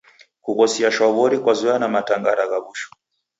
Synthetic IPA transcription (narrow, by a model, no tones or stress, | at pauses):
kukɔsiaʃwaβɔɾikwazuanamataŋɡaɾaɣaβuʃɔ̥